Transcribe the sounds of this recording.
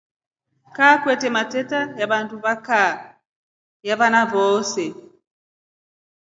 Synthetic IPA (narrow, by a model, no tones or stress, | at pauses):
kakwɛtɛmatɛtajaɓantuβaka | jaβanaβɔsɛ